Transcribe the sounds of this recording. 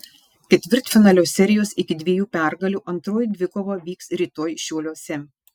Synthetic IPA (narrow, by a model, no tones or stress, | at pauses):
kʲɛt̪ʲʋʲɪɾt̪ʲfʲɪnɑːlʲoːsʲɛɾʲɪjoːsɪkʲɪd̪ʲʋʲiɛjuːpʲæˑɾɡɐlʲuːʔɐnt̪ɾoːjd̪ʲʋʲɪkoːʋoːʋʲiːksɾʲiːt̪oːjʃʲuːlʲoːsʲɛm